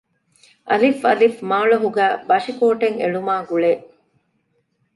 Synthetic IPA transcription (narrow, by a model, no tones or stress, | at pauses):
ʔɐlifɐlifmaːɭɐɦuɡæːbɐʂikoːʈeŋḛɭumaːɡuɭeːʔ